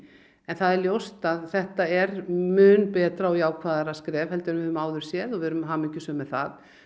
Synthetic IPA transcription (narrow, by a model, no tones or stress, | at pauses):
ɛnθaðɛɾljowst̪aðθɛht̪aɛɾmʏːnpɛːt̪ɾaɔjaːwkʰvaːðaɾaskɾɛːvhɛlt̪ɪɾʏmvɪʏmaːwðʏɾ̥sjɛðɔvɪɾʏmɦaːmɪɲcɪsœːmɛðθa̰ð